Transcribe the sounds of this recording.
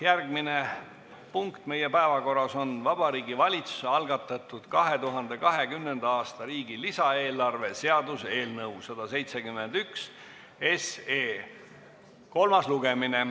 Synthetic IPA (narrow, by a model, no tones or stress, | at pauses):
jærɡmine | puŋkt̪me̞jepæevɑko̞rːɑso̞nvɑb̥ɑɾiːɡivɑlʲit̪su̥seɑlɡ̥ɑt̪ːˑɑt̪ːˑud̪̥kɑɦe̞t̪uɦɑnd̪e̞kɑɦe̞kymne̞nd̪ɑɑːst̪ɑɾiːɡ̥ilisɑe̞ːlːˑɑrve̞se̞ɑd̪use̞ːlnɤwsɑd̪̥ɑse̞jt̪se̞kymːe̞nd̪̥yks | e̞seː | ko̞lmɑsluɡ̥e̞mine̞